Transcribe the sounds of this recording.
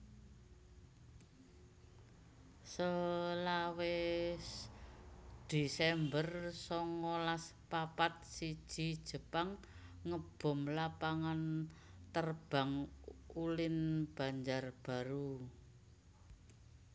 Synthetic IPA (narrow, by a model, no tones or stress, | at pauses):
səlawe | d̪̥esɛmbərsɔŋɔlaspapat̪̚sid̥ʒ̥id̥ʒ̥ə̤paŋː | əb̥ɔ̤mlapaŋan | t̪ərb̥a̤ŋulɪnb̥a̤ɲd͡ʒarb̥a̤ɾu